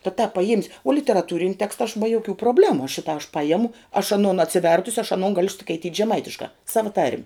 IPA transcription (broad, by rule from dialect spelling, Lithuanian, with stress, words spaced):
tɐ tɑːp pɐˈjiɛmʲɪsʲ oː lʲɪtʲɛrɐˈtuːrʲɪnʲɪ ˈtʲæːkstɐ ɐʃ bɐ joːˈkʲuː proːˈbʲlʲæːmʊ ˈʃʲɪtɑː ɐʃ ˈpɑːjɛmʊ ɐʃ ɐˈnoːn ɐtʲsʲɪˈʋʲɛrtʊsʲɪ ɐʃ ɐˈnoːn ˈɡɑːlʲʊ skɐɪˈtʲiːtʲ ʒʲɛˈmɐɪtʲɪʃkɑː ˈsɑːʋɐ tɐrʲmʲ